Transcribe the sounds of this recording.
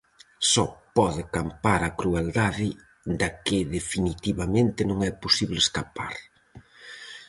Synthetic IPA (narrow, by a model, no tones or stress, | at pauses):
sɔpɔðɪkampaɾakɾueld̪aðɪ | d̪akɪðefinit̪iβamẽnt̪ɪnõŋɛposiβleskapa̰ɾ